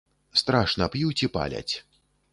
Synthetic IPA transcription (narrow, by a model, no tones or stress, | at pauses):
st̪ɾaʂnɐpjut͡sʲipa̰lʲɐ̰t͡sʲ